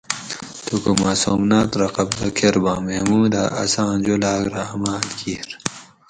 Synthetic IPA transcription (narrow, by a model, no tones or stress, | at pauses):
t̪ukumaːsoːmnaːt̪ɾɐqɐbd̪ɐkʰeɾbãːmemuːd̪aʔɐ̰sãːnd͡ʑolaːɡɾamaːd̪kʰiːɾ